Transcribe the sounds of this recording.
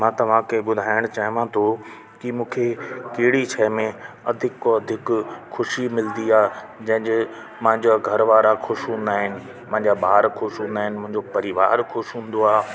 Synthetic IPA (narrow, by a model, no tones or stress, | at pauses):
mãːt̪ɐʋ̤ãkeɓʊd̪ʱaːɪɽ̃t͡ɕaːɦʋãt̪ʰo | kɪmũːkʰekeɦɪɽit͡ɕʰɛːmẽ | ɐd̪ʱɪkːoɐd̪ʱɪkxʊʃimɪld̪iaːɦ | d͡ʑɐ̃ɦɪ̃d͡ʑɪ | mãɦɪ̃ɲd͡ʑaɡʱɐɾʋaːɾaxʊʃɦũːn̆d̪aːɦɪnɪ̆ | mʊ̃ɦɪ̃ɲd͡ʑabaːɾxʊʃɦũːn̆d̪aːɦɪnɪ̆mʊ̃ɦɪ̃ɲd͡ʑopɐɾiʋa̰ːɾxʊʃɦũːn̆d̪oaː